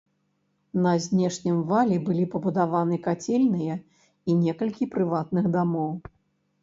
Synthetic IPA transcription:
nɐzʲnʲɛʂnʲɐmvalʲibɨlʲipɐbud̪avanɨkat͡sʲɛlʲnɨjɐ | inʲɛkɐlʲkʲipɾɨvat̪nɨɣd̪amɔw

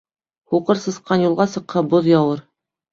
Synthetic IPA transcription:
huqɤɾsɤ̆sqɑnjulˠʁɑsɤ̆qhɤboðjɑwɤɾ

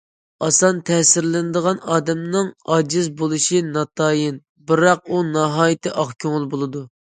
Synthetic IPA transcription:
ɑsɑnt̪ʰɛsɪɾlɪnɨd̪əʁɑnɑːd̪ɛmnɨŋɑːd͡ʒizbolˠɨʃinɑt̪ʰɑːjin | bɨɾɑq̚unɑɦɑːjit̪ʰɨʔɑχkʲʰøŋɪlˠbolˠɨd̪u

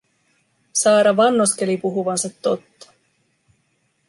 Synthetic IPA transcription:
sɑːɾɑʋɑnːoske̞lipuɦuʋɑnsɑt̪ːo̞t̪ːɑ̥

